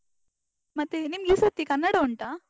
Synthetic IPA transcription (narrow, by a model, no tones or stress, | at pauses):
mɐt̪enimjisɐt̪ːikɐnːaɽauɳʈa